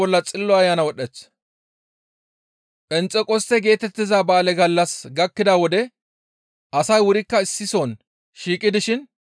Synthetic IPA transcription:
ɔlːɐt͡sʼɪlːɔɐjːaːnɐwɔɗɛt͡s | pʼɛnt͡sʼːɛkʼɔst̪ːɛɡe̞ːt̪ɛt̪ːɪzaːbaːlɛɡɐlːɐsɡɐkːɪd̪awɔd̪ɛ | ɐsɐjwʊɾɪkːɐɪsːɪsoːn | ʃiːkʼːɪd̪ɪʃɪn

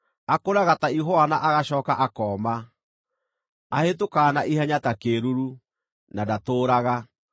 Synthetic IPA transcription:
akoɾaɣataiɦɔanaʔaɣaɕɔːkaʔakɔma | ahet̬okaːnaʔiɦaɲatakeːɾuɾu | nadatoːɾaɣa

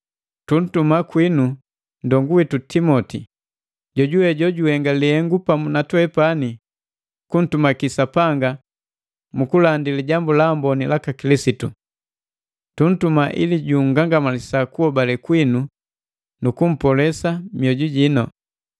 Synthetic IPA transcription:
tun̩tumakwinu | ndɔŋɡuwitutimɔti | ɟɔɟuwɛɟɔɟuhɛŋɡalihɛŋɡupamunatwɛpani | kun̩tumakisapaŋɡa | mukulandiliɟambulaːmbɔnilakakilisitu | tun̩tumaʔḭliɟuŋ̩ɡaŋɡamalisakuhɔbalɛkwinu | nukum̩pɔlɛsamiɔɟuɟinɔ

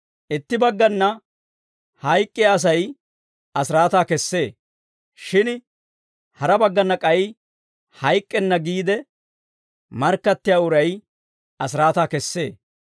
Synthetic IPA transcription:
ʔɪt̪ːɪbɐɡːɐnːɐ | hɐjkʼːɪaːs̬ɐj | ɐsɪɾaːt̪aːkɛsːeː | ʃɪn | hɐɾɐbɐɡːɐnːɐkʼɐjɪ | hɐjkʼːɛnːɐɡiːd̪ɛ | mɐɾkːɐt̪ːɪjaːʊɾɐj | ɐsɪɾaːt̪aːkɛsːe̞ː

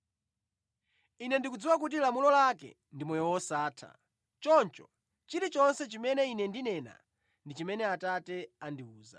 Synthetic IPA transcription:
inɛndikud͡ziwak̬ut̬ilamulɔlakɛ̰ | ndimɔjɔwɔsaːtʰa̰ | t͡ʃɔnt͡ʃɔ | t͡ʃiɾit͡ʃɔnsɛt͡ʃimɛnɛinɛndinɛna̰ | ndit͡ʃimɛnɛatatɛandiuːza̰

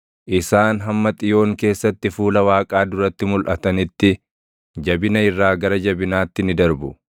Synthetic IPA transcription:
ʔɪsaːnɦɐmːɐt̪ʼɪjo̞ːŋke̞ːsːɐt̪ːɪfuːlɐwaːkʼaːd̪ʊɾɐt̪ːɪmʊlʔɐt̪ɐnɪt̪ːɪ | d͡ʒɐbɪnɐɪrːaːɡɐɾɐd͡ʒɐbɪnaːt̪ːɪnɪd̪ɐɾbʊ

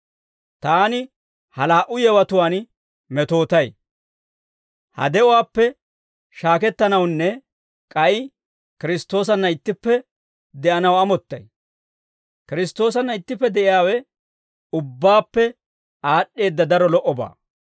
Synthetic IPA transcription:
t̪aːnɪ | hɐlaːʔʊjɛwɐt̪ʊwaːn | mɛt̪o̞ːt̪ɐj | hɐ̰d̪ɛʔɔwaːpːɛ | ʃaːkɛt̪ːɐnɐwnːɛ | kʼɐj | kɪɾɪst̪o̞ːs̬ɐnːɐɪt̪ːɪpːɛ | d̪ɛʔɐnɐwɐmɔt̪ːɐj | kɪɾɪst̪ːo̞ːs̬ɐnːɐɪt̪ːɪpːɛd̪ɛʔɪjaːwɛ | ʊbːaːpːɛ | aːɗːe̞ːd̪ːɐd̪ɐɾɔlɔʔɔba̰ː

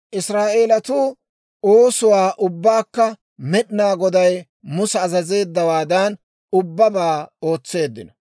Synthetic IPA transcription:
ʔɪsɾaːʔeːlɐt̪uː | oːsʊwaːʔʊbːaːkːɐ | mɛɗnaːɡɔd̪ɐj | mʊsɛːzɐze̞ːd̪ːɐwaːd̪ɐn | ʊbːɐbaːo̞ːt͡sːe̞ːd̪ːɪnɐ

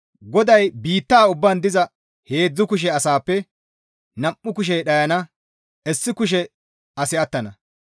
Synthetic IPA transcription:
ɡɔd̪ɐjbiːt̪ːaːʊbːɐnd̪ɪzɐ | he̞ːd͡zːʊkʊʃ̬ɛɐsaːpːɛ | nɐʔːʊk̬ʊʃ̬ɛjɗɐjɐnɐ | ʔɛsːɪkʊʃ̬ɛ | ɐsɪɐt̪ːɐnɐ

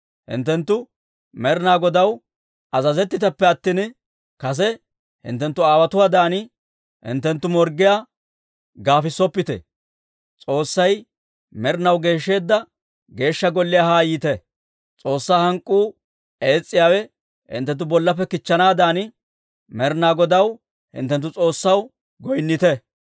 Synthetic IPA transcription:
hɪ̰nt̪ːɛnt̪ːʊ | mɛɾɪnaːɡɔd̪ɐw | ɐzɐzɛt̪ːɪt̪ɐpːɛɐt̪ːin | kɐs̬ɛ | hɪ̰nt̪ːɛnt̪ːʊaːwɐt̪ʊwad̪aːnɪ | hɪ̰nt̪ːɛnt̪ːʊmɔɾɡɪjaː | ɡaːfɪsːɔpːɪt̪ɛ̰ | t͡sʼo̞ːsːɐj | mɛɾnɐwɡe̞ːʃːe̞ːd̪ːɐ | ɡe̞ːʃːɐɡɔlːɪjaːhaːjɪt̪ɛ | t͡sʼo̞ːsːaːhɐŋkʼːuː | e̞ːt͡sʼːɪjaːwɛ | hɪ̰nt̪ːɛnt̪̬ːʊbɔlːɐpːɛkɪt͡ʃːɐnaːd̪aːnɪ | mɛɾnaːɡɔd̪ɐw | hɪ̰nt̪ːɛnt̪̬ːʊt͡sʼo̞ːsːɐw | ɡɔjnːɪt̪ɛ

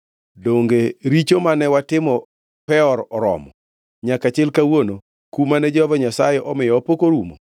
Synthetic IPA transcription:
doŋɡeɾit͡ʃomanɛwatɪmɔ | pɛɔɾɔɾɔ̰mɔ | ɲakat͡ʃɪlkawono | kumanɛd͡ʒvɔɲasajɛʔɔmɪjɔːpokoɾumo̰

